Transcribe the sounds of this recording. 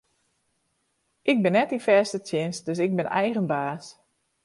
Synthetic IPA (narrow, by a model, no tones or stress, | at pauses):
ʔɪɡ̚bɪnːɛtifɛːstətʰjɪnsdøsɪɡ̚bɪnɛ̰jɣənbaːs